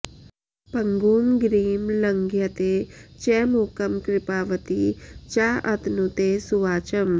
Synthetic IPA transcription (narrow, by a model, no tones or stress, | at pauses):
pɐŋɡuːmɡɾiːmlɐŋɡjɐt̪eːt͡ʃɛːmukɐmkɾɪpaːʋɐt̪it͡ʃaʔɐt̪nut̪eːsuʋaːt͡ʃɐm